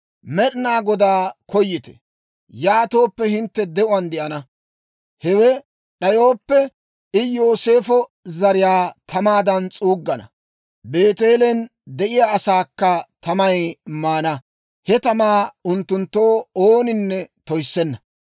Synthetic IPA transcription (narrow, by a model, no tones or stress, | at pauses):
mɛɗɪnaːɡɔd̪aːkʰɔjːɪt̪ɛ̥̰ | jaːt̪oːpːɛhɪnt̪ːɛd̪ɛʔʊwɐnd̪ɪʔɐnɐ | hɛwɛ | ɗɐjo̞ːpːɛ | ɪjo̞ːse̞ːfɔ | zɐɾɪjaːt̪ʰɐmaːd̪ɐnt͡sʼuːɡːɐnɐ̰ | be̞ːt̪eːlɛnd̪ɛʔɪjaːɐsaːkːɐt̪ʰɐmɐjmaːnɐ | hɛt̪ɐmaːʊnt̪ːʊnt̪ːoːoːnɪnːɛt̪ɔjsːɛnːɐ